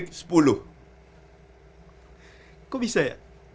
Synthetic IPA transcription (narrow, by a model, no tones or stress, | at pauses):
kspulo | kɔmisɛːʁ